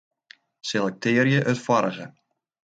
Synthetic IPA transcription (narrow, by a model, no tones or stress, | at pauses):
sɪlˠɛk̚tʰɪːɾjəʔœtfɔɾəɣə